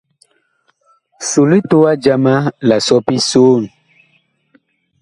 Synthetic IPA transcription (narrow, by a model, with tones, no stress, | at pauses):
so˨li˦to˦wa˦d͡ʒa˦ma˦la˨sɔ˦pi˦soː˦˨n˨